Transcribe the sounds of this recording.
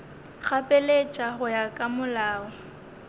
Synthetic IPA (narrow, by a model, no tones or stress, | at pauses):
ɣapʼɛlet͡ʃʼaɦʊjakʼamʊlaːɔ